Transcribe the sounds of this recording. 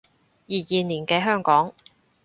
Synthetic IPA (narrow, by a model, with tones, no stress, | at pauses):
jiː˨˩jiː˨niː˨˩nkɛː˧ɦœː˥˩ŋkɔː˨˥ŋ